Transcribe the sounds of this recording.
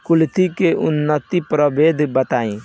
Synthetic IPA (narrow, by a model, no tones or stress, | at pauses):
kʊlt̪ikeʔʊnːət̪ipɾəbeːd̪ʱbət̪aːẽ